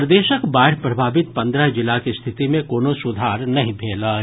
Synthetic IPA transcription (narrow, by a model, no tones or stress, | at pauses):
ɾd̪eːʃəkbaːʈʰpɾɐbʱaːbɪt̪̚pɐ̃nd̪ɾəɦd͡ʒɪlakist̪ʰɪt̪imẽkoːnosʊd̪ʱaːɾnɐɦĩpʰeːlaː